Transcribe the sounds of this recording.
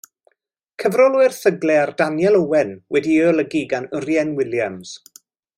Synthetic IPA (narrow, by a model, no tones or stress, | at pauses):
kʰəvrɔlˠwɨrθəɡlɛardanjɛlˠəwɛnwɛdiəlˠəɡiɡanʊrjɛnwɪljamz̥